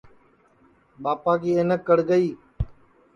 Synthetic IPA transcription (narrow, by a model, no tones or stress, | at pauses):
ɓaːpaːkiːeːnəkːəɽɡəiː